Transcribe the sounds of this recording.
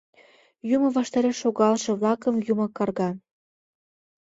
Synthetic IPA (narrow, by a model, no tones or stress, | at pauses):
jumɤ̆βɑʃt̪ɑɾeʃːoɣɑlʃĕβlɑkə̆mjumɤkɑrɣɑ